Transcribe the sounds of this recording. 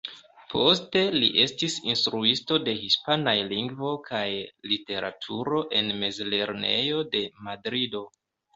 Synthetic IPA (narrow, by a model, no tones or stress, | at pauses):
pʰo̞ste̞lḭʔe̞stisinstɾuisto̞de̞hispanajliŋɡvo̞kʰajlite̞ɾa̰tʰuɾo̞ʔe̞nme̞zle̞ɾne̞̰jo̞de̞madɾido̞